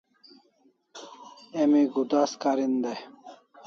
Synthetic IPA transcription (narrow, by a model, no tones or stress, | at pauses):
emiɡud̪askaɾind̪e